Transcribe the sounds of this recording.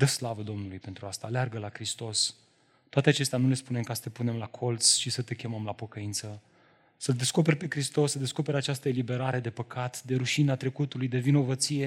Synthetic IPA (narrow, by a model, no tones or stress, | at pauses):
d̪əslavəd̪o̞mnulujpe̞nt̪ɾuast̪aːlearɡəlakɾist̪o̞s | t̪oat̪e̞at͡ʃe̞st̪eanule̞spune̞mkasə̥t̪e̞pune̞mlakʰo̞lt̪sʃisət̪e̞kʲe̞məmlapo̞kəint̪sə | səld̪e̞sko̞p̬e̞rʲpe̞kɾist̪o̞sːəd̪e̞sko̞pe̞ɾʲat͡ʃast̪əelibe̞ɾaɾe̞d̪e̞pəkat̪d̪e̞ɾuʃinat̪ɾe̞kut̪ulujd̪e̞vino̞vət̪sije̞